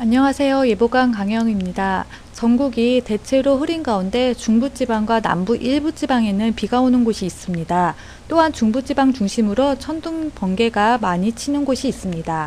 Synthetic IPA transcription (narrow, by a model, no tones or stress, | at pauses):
aɲːʌŋasʰe̞joje̞boɡankaŋjʌŋimɲida | t͡ɕʌŋɡuɡite̞t͡ɕʰe̞ɾoɸɯɾinɡaunde̞t͡ɕuŋbut͡ɕibaŋɡwana̰mbuʔiɭbut͡ɕ͈ibaŋe̞nɯnpiɡaonɯnɡoɕʰiːs͈ɯmɲida | t͈oɦant͡ɕuŋbud͡ʑibaŋt͡ɕuŋɕʰimɯɾot͡ɕʰʌnduŋpʌŋɡe̞ɡamaɲit͡ɕʰinɯnɡoɕʰiːs͈ɯmɲida